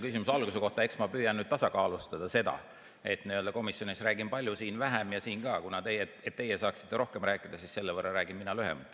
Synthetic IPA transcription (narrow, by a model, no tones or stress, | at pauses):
kys̬ʲimusɑlɡuse̞ko̞ht̪ɑe̞ksmɑpyːjɑnːyd̥̪t̪ɑsɑkɑːlust̪ɑd̪̥ɑse̞d̪ɑ̰ | e̞t̪niøld̪ɑko̞misjo̞nisræːɡimpɑlʲjusiːnvæɦæmjɑsiːnkɑːkunɑt̪e̞jeet̪ːe̞jesɑːksi̥t̪ːeɾo̞hkemræːkːˑid̪̥ɑsiːsse̞lːevərːɑɾæːɡ̥imminɑlyɦḛmɑt̪ː